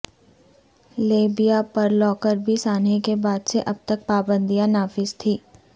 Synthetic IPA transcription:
leːbijapɐɾlɔːkəɾbʱisaːnekebaːd̪seʔɐb̚t̪ək̚paːbə̃nd̪ijãnaːfɪzt̪ʰiː

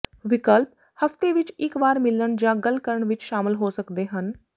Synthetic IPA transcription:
ʋɪkəlp̚ | həft̪eːʋɪt͡ʃɪkʋaːɾmɪləɳd͡ʒãːɡəlkəɾəɳʋɪt͡ʃʃaːmɪlɦoːsəkd̪eːɦən

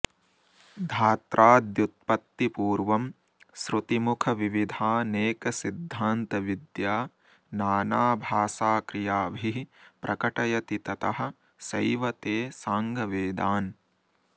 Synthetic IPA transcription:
d̪ʱaːt̪ɾʔaːd̪jut̪̚pɐt̪ːipuːɾʋɐm | sɾut̪imukʰɐʋiʋid̪ʱaːneːkɐsid̪ʱːaːnt̪ɐʋid̪jaː | naːnaːbʱaːsaːkɾijaːbʱipɾʔɐkɐʈɐjɐt̪it̪ɐt̪ɐɦɐ̆ | sɐjʋɐt̪eːsaːŋɡʱɐʋeːd̪aːn

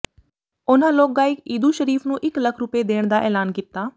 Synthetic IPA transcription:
ʊnãːloːk̚ɡaːɪkiːd̪uːʃəɾiːpʰnũːʔɪkləkʰɾʊpeːd̪eːɳ̃d̪aːʔɛːlaːnkɪt̪ːaː

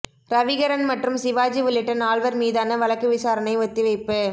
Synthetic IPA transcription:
ɾɐʋɪɣɐɾɐnmɐʈrɯmsɪʋaːd͡ʒiʋɪɭɪʈːɐnaːɭʋɐɾmiːðaːnɐʋɐɭɐkːɯʋɪsaːɾɐnɐɪʋɔt̪ːɪʋɐɪpːɯ

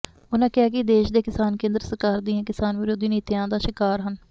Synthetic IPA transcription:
ʊnãːkɪaːkɪd̪eːʃd̪eːkɪsaːnkẽːnd̪əɾsəkaːɾd̪ɪ̃ãːkɪsaːnʋɪɾoːd̪iːniːt̪ɪjãːd̪aːʃɪkaːɾɦən

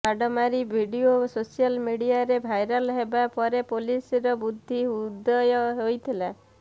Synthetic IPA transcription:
aɖɔmaɾibʱiɖiososialmiɽiaɾebʱajɾɔlɦebapɔɾepolisɾɔbud̪ʱːiud̪ɔjɔɦojt̪ʰila

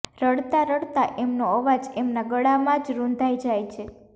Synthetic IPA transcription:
ɾəɽt̪aɾəɽt̪aʔemnoəʋad͡ʒemnaɡəɽamãd͡ʒɾund̪ʱajd͡ʒajt͡ʃʰe

